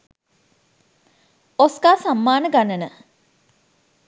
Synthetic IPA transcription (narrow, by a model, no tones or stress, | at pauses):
osɡaːsamːaːnəɡanənə